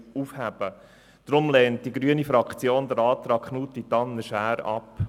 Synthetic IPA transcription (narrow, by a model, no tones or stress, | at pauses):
ufhæb̥ə | d̥ɾʊmlɛːnt̚d̥iɡɾyənifɾɑkt͡sjoːnd̪əɾɑːt̪ɾɑːkʰχnuːt̚dit̪ɑnːəʃæːɾɑ̰p